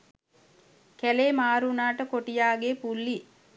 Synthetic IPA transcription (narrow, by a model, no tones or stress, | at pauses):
kæleːmaːɾunaːʈəkoʈijaːɡeːpulːi